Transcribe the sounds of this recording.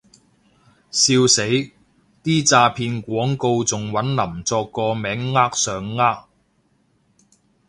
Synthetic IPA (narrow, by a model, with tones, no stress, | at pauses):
siː˧wse˨˥j | t̪iː˥t͡saː˧pʰiː˧nkʷɔː˨˥ŋko˧wt͡sʊ˨ŋwɐ˨˥nlɐ˨˩mt͡sɔː˧kːɔː˧mɛː˨˥ŋːaː˥k̚sœː˨ŋːaː˥k̚